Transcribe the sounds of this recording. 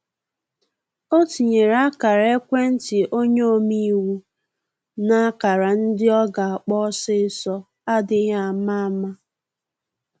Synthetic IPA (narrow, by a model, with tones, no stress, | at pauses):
o˦ti˨ɲe˨ɾa˦ka˨ɾa˨e˦kʷe˦n̩˦tɪ˨ʔo˦ɲo˦o˦mi˦wu˦ | na˦a˦ka˨ɾa˨n̩˦dɪ˦ɔ˦ɡa˨a˨k͡pɔ˦sɪ˦sɔ˦ | a˦dɪ˦ɦa˦˨ma˦a˦ma˦